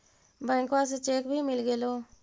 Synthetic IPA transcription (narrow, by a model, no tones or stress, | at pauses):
bajŋkwas̬et͡ʃekbimilɡelo